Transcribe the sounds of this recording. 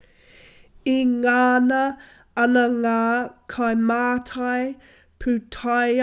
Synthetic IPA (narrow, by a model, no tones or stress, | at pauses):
iŋaːnɐ | ɐnəŋaːkʰajmaːtʰaj | pʰʉtʰaj